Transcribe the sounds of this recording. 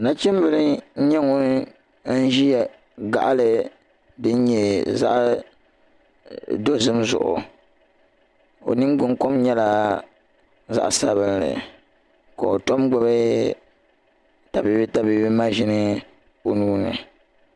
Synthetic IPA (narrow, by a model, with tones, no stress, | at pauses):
na˦t͡ʃɛ˦m˦bɨ˨lɨ˦ɲɛ˦ŋo˦ | n̩˦ʒi˦ja˨ | ɡa̰˨ʔlɨ˨ | dɨ˦n˦ɲɛ˨za̰˦ʔ | do˦zɨ˦mzʊ̰˨ʔʊ̰˨ | o̰˨nɨ˦ŋ˦ɡ͡bʊ˦ŋko˦mɲɛ˦la˦ | za̰˦ʔsa˦βɨ˦nlɨ̰˨ | ka˨o˨to˦mɡ͡ba˦bɨ˦ | ta˨bi˨bi˦ta˨bi˨bi˦ma˦ʒɪ˨nɨ˦ | o˨nuː˦nɨ̰˨